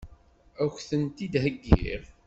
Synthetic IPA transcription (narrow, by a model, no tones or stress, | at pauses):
æçθənt̪id̪ɦəɡːḭʁ